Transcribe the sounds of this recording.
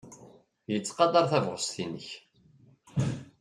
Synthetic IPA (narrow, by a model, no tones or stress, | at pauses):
jət͡sːqɑd̪ˤɑɾˤθævʁəst̪inəç